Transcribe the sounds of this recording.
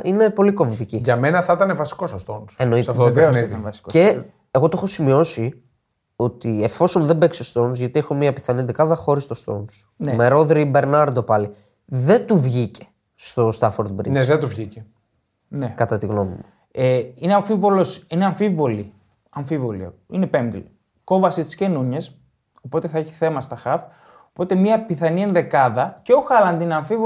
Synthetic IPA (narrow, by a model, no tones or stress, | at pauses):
ine̞po̞liko̞ɱviciʝɐme̞nɐθɐit̪ɐnevɐsi̥ko̞sost̪onseno̞itɐeot̪eesniɐnvɐsi̥koe̞ | eɣo̞t̪oxo̞simio̞si | o̞t̪ie̞fo̞so̞nðembe̞ksest̪o̞nzʝɐt̪iexomiɐpi̥θɐnid̪ekɐðɐxo̞ɾist̪ost̪o̞̰ns | nemeɾo̞ðɾibe̞ɾnɐɾd̪o̞pɐli | ðe̞nt̪uvʝice̞̥ | st̪ost̪ɐfoɾd̪bɾḭneðet̪uvʝice | nekɐt̪ɐt̪iɣno̞mimu | eineɐɱfivo̞lo̞sineɐɱfivo̞li | ɐɱfivo̞lḭine̞pemd̪il | ko̞vɐsit̪isce̞nuɲes | o̞po̞t̪eθɐeçi̥θe̞mɐst̪ɐxɐf | opo̞t̪e̞mɲɐpiθɐnienðe̞kɐðɐceo̞xɐlɐnd̪ineɐɱfivo